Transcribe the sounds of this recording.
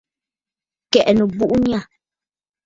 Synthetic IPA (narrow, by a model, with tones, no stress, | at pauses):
kɛ˨ʔnu˨bu˦ʔu˦ɲ˦a˦˨